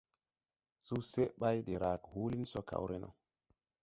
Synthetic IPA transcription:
su˦se˦ʔɓa˦jɗe˨ɾʔa˨khu˦li˦nso˦kʰa̰˨wɾʔe˦nʔo̰˨

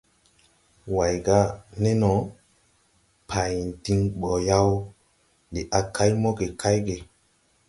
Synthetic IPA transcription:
wa˨jɡa˦ne˦nɔ˨ | pʰa˨jn˨ti˧ŋɓɔ˨ja˦w | li˨ʔa˨kʰa˦jmɔ˦ɡe˨kʰa˦jɡe˨

